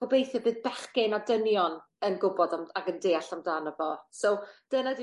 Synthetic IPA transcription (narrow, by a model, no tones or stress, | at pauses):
ɔbejθɛbɨːðbɛχkɪnadənjɔn | ənɡʊbɔdamaɡəndeːaɬamdaːnəvɔsowd̥ənadi